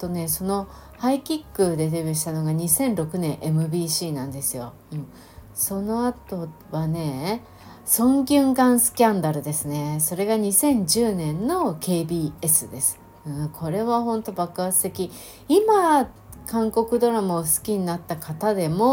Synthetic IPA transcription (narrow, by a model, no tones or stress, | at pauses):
t̪o̞ne̞so̞no̞ | haikʲikːɯ̟d̪e̞d̪ebʲɯɕi̥t̪ano̞ɡaɲ̟isẽ̞nɾo̞kɯ̟nẽ̞ɰ̃ʔe̞mɯ̟bʲiːɕiːnãnd̪e̞sɨjo̞ | ɯ̟̃ɴ | so̞no̞at̪o̞ | βane̞ | sõ̞ŋɡʲɨ̃ŋɡãɰ̃sɨ̥kʲãnd̪aɾɯ̟d̪e̞sɨne̞so̞ɾe̞ɡaɲ̟isẽ̞ɲ̟d͡ʑɨːnẽ̞nnːo̞kʰe̞ːbʲiːe̞sɨd̪e̞sɨ̥ | ɯ̟̃kʰo̞ɾe̞βahõ̞nt̪o̞bakɯasɨ̥e̞kʲi | ima | kãŋko̞kɯ̟d̪o̞ɾamɯːsɨ̥kʲiɲ̟inat̪ːakat̪ad̪e̞mo̞